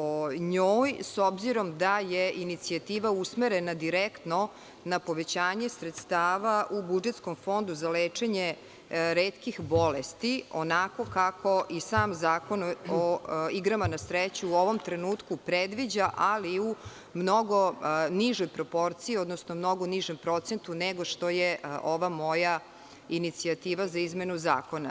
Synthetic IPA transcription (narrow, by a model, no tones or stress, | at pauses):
oɲoːjso̞bziɾo̞md̪ajeinit̪siat̪iːʋausmeɾenad̪iɾekt̪no | napo̞ʋe̞t͡ɕaːɲe̞sɾet̪st̪aːʋaʔubud͡ʒet̪sko̞mfo̞nd̪uzaleːt͡ʂe̞ɲe | ɾeːt̪kixbo̞lest̪ionako̞kakʰoʔisaːmzaːko̞noiɡɾamanasɾet͡ɕuuo̞ʋo̞mt̪ɾenuːt̪kupɾed̪ʋid͡ʑaʔaliu | mno̞ɡoniʒojpɾo̞po̞ɾt̪siio̞d̪nosnomno̞ɡoniʒempɾo̞t̪se̞nt̪uneɡo̞ʂt̪ojeʔo̞ʋamoja | init̪siat̪iːʋazaizme̞nuza̰ːko̞na̰